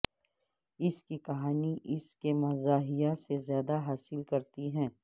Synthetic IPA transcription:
ɪskikɐɦaːniʔɪskemɐzaːɦijasezjaːd̪aɦaːsɪlkɐɾt̪iɦɛ̃ː

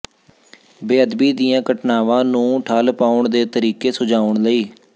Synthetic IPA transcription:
beːəd̪biːd̪ijãːkəʈnaːʋãːnũːʈʰaːlpaːʊɳd̪eːt̪əɾiːkeːsʊd͡ʒaːʊɳləiː

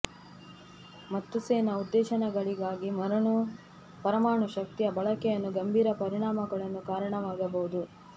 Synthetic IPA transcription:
mɐt̪ːuseːnɐud̪ːɛːʃɐnɛɡɐɭiɡaːɡimɐɾɐɳu | pɐɾɐmaːɳuʃɐk̚t̪ijɐbɐɭɐkɛjɐnːuɡɐmbʱiːɾɐpɐɾiɳaːmɐɡɐɭɐnːukaːɾɐɳɐʋaːɡɐbɐɦud̪u

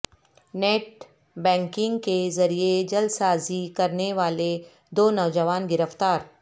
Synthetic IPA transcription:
neːʈ̚ | bɛ̃ːŋkɪ̃ŋɡkezɐɾied͡ʒɐlsaːzikɐɾneʋaːle | d̪oːnɐʋd͡ʒəʋaːnɡɪɾəft̪aːɾ

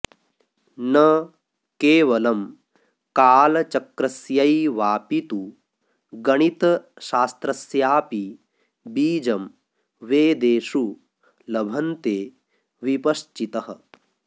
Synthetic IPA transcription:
nɐ | keːʋɐlɐm | kaːlɐt͡ʃɐkɾɐsjɐjʋaːpit̪u | ɡɐɳit̪ɐʃaːst̪ɾɐsjaːpi | biːd͡ʒɐm | ʋeːd̪eːʃu | lɐbʱɐnt̪eː | ʋipɐʃt͡ʃit̪ɐɦɐ̆

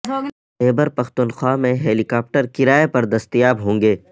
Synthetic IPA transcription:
eːbəɾpɐxt̪ʊnxwaːmẽɦeːlikaːp̚ʈəɾkɪɾaːepɐɾd̪ɐst̪ijaːbɦõːŋɡeː

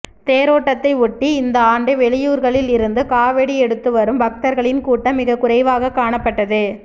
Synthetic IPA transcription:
t̪eːɾoːʈːɐt̪ːɐɪʊʈːiɪnd̪ɐaːɳɖɯʋɛɭɪjuːɾɣɐɭɪlɪɾɯnd̪ɯkaːʋɛɽiɛɽɯt̪ːɯʋɐɾɯmbɐk̚t̪ɐɾɣɐɭɪnkuːʈːɐmɪɣɐkʊɾɐɪʋaːɣɐkaːɳɐpːɐʈːɐðɯ

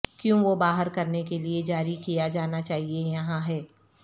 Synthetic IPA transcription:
kjũʋobaːɦəɾkɐɾnekelied͡ʒaːɾikijad͡ʒaːnat͡ʃaːɦiejɐɦãɦɛː

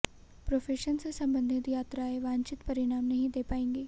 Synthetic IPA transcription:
pɾoːfeːʃənsesɐ̃mbənd̪ʱɪt̪jaːt̪ɾaeʋãːɲt͡ʃɪt̪pɐɾɪɽ̃aːmnɐɦĩd̪eːpaːẽːŋɡeː

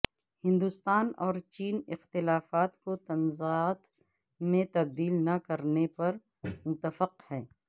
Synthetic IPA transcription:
hɪ̃nd̪ust̪aːnɔːɾt͡ʃiːnɪxt̪ɪlaːfaːt̪kot̪ɐnzaːt̪ | mẽt̪ɐb̚d̪iːlnɐkɐɾnepɐɾ | mʊt̪əfəqhɛ̃ː

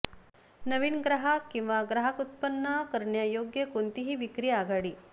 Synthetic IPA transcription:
nəʋinɡɾaɦakĩw̃ʋaɡɾaɦakut̪̚pənːakəɾɳjajoɡjəkont̪iɦiːʋikɾiːaɡaɽiː

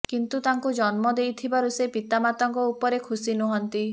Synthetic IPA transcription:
kint̪ut̪aŋkud͡ʒɔnmɔd̪ejt̪ʰibaɾusepit̪amat̪ɔŋkɔupɔɾekʰusinuɦɔnt̪i

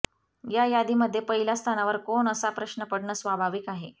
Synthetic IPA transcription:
jajad̪iməd̪ʱːjepəɦilast̪ʰanaʋəɾkoɳəsapɾəɕnəpəɽɳəsʋabʱaʋikaɦe

